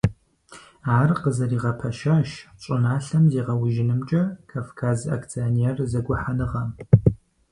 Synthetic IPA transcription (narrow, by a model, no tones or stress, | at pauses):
aːrqəzɐriːʁɐpʰɐʃaːʃɕʼɪnaːɬɐmziːʁɐwʊʒɪnɨmt͡ʃʼɐkʰaːfkʰaːza̰ːkʰt͡sʰionerzɐɡʷʊħanɨʁɐm